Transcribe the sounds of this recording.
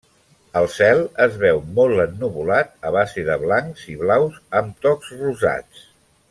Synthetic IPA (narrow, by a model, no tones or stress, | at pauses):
əlˠsɛlˠəzβɛwmɔlˠənːuβulat̪̚əβ̞aziðəβlaŋkziβlawsəmt̪ɔkzruza̰t͡s